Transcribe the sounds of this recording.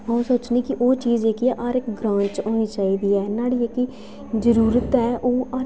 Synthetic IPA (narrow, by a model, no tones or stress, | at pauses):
əõːsoːt͡ʃniːkɪʔoːt͡ʃiːzeːkiʔaːɾɪkɡɾãːɲt͡ʃoːniːt͡ʃaːiːd̪iːɛːnaːɽiːekiː | zəɾuːɾət̪ɛːʔoːaː